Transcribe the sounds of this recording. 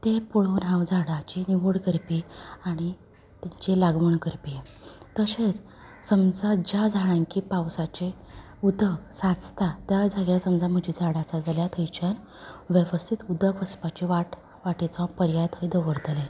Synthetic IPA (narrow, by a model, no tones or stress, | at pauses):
t̪epoɭonɦãwd͡zaɽat͡ɕiniʋoɽkəɾpiːaɽ̃i | t̪jaɲt͡ɕilaɡməɳkəɾpi | t̪əset͡s | səmd͡zad͡ʑad͡zʱaɽ̃ãŋkipawsat͡ɕe | ud̪ʱəsat͡st̪at̪jad͡zʱaɡlasəmd͡zam̤əd͡ʑiːd͡zʱaɽat͡sad͡zaljat̪ʰəjt͡ɕən | ʋjəʋəst̪ʰit̪ud̪əkʋəspat͡ɕiʋaʈ | ʋaʈit͡sɔ̃pəɾjat̪əjd̪əʋəɾt̪le